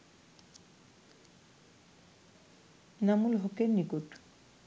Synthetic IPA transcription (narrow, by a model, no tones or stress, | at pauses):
namulɦɔkenːikuʈ